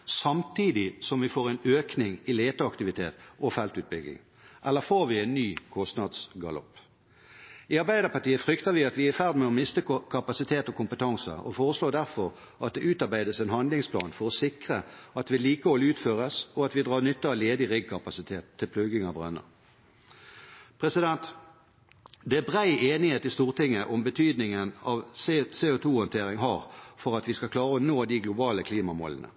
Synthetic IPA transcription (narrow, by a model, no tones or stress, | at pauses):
sɑmt̪ʰiːd̪ɪsɔmʋɪfoːʁɛnøːknɪŋɪleːt̪əɑkt̪ɪʋɪt̪ʰḛːt̪ɔfɛlt̪ʉːt̪̚bʏɡlɪ̰ŋ | ʔɛlːəfoːɾʋɪɛɪnːyːkʰɔst̪nɑd̪sɡɑ̰lɔ̰pː | ɪɑɾbæɪd̪əpɑt̪iːəfʁʏkt̪əʋɪɑt̪ʋɪæfæʁd̪mɛɔmɪst̪əkʰɑpɑsɪt̪ʰeːt̪ɔkʰʊmpət̪ʰɑŋsə̰ɔ̰foːʁəsloːd̪æʁfɔɾ | ɑt̪̚d̪ɛʔʉːt̪ɑɾbæɪd̪əsɛnhɑnd̪lɪŋspʰlɑ̰ːnfɔɾɔsɪkʁəɑt̪ʋɪliːkəhɔlʉːt̪føːʁəsɔɑt̪ʋɪd̪ʁɑːɾnʏt̪ːəɑʋleːd̪ɪʁɪɡ̚kʰɑpɑsɪt̪ʰeːt̪ʰːɪlpʰlʉɡɪŋɑbʁœ̰nːə̰ | pʰʁɛsɪd̪ɛnt̪ | d̪ɛæbʁæɪʔeːnɪheːt̪ɪst̪uːʁt̪ʰɪŋːəʔɔmbət̪ʰyːd̪nɪŋənɑʋseseːʊt̪ʰuːhɔnt̪ʰeːʁɪŋɦɑːʁfɔʁɑt̪ʋɪskɑkʰlɑːʁəɔnoːd̪ɪɡlʊbɑːləkʰliːmɑmo̰ːlənə̰